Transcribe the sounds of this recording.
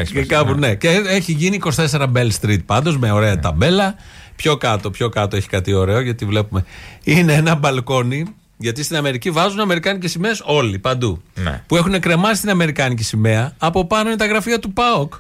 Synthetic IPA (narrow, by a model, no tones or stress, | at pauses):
ekɐpuneceeçiʝiniːko̞st̪e̞se̞ɾɐbelst̪ɾit̪̚pɐnd̪o̞zmeo̞ɾe̞ɐt̪ɐbe̞lɐ | pço̞kɐt̪o̞pço̞kɐt̪o̞e̞çi̥kɐt̪io̞ɾe̞o̞ʝɐt̪ivle̞pume̞ineenɐbɐlko̞ni | ʝɐt̪ist̪inɐme̞ɾicivɐzunɐme̞ɾikɐnicesime̞ːso̞lipɐnd̪ṵpue̞xune̞kɾe̞mɐsist̪inɐme̞ɾikɐnicisime̞ɐːpo̞pɐnoint̪ɐɣɾɐfiɐt̪upɐok